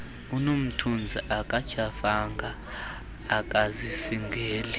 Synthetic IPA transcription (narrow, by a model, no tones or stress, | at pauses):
unom̩tʰund͡zʱiʔakʼḁt͡ʃʰʼafaŋɡʱaː | kʼazisiŋɡʱɛːlɛ